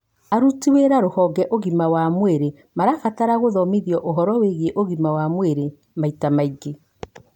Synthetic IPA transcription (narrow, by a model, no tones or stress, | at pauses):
aɾutiweɾaɾohɔɡɛʔoɣimawamweɾe | maɾaɣataɾaɣoðɔmiðiɔʔoɦɔɾɔweɣeʔoɣimawamweɾe | maitamaiɡe